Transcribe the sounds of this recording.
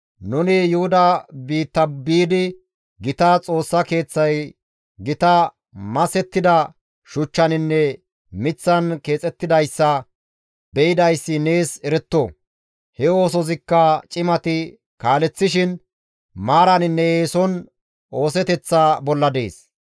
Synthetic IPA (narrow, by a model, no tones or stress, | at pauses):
nʊnɪjʊhʊd̪ɐbiːt̪ːɐbiːd̪ɪ | ɡɪt̪ɐt͡sʼo̞ːsːɐke̞ːt͡sːɐj | ɡɪt̪ɐ | mɐsɛt̪ːɪd̪ɐ | ʃʊt͡ʃːɐnɪnːɛ | mɪt͡sːɐnke̞ːt͡sʼɛt̪ːɪd̪ɐjsːɐ | bɛjɪd̪ɐjsːɪne̞ːsɛɾɛt̪ːo | hɛo̞ːs̬ɔzɪkːɐt͡ʃʼɪmɐt̪ɪ | kaːlɛt͡sːɪʃɪn | maːɾɐnɪnːɛeːsɔn | o̞ːsɛt̪ɛt͡sːaːbɔlːɐd̪e̞̰ːs